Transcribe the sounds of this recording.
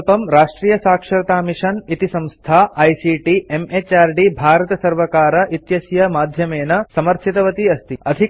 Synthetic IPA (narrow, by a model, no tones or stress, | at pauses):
p̪ɐmɾaːʂʈɾiːjɐsaːkʂɐɾɐt̪aːmiʂɐnit̪isɐ̃mst̪ʰaːɐjsiːʈiemet͡ʃaːɾɖibʱaːɾɐt̪ɐsɐɾʋɐkaːɾɐʔit̪jɐsjɐmaːd̪ʱjɐmeːnɐsɐmɐɾt̪ʰit̪ɐʋɐt̪iɐst̪iɐd̪ʱi